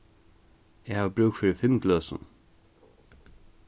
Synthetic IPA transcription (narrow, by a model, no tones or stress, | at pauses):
ɛhaːvbɾʉːkfɪːɾɪfɪnk̪lœːsʊ̰n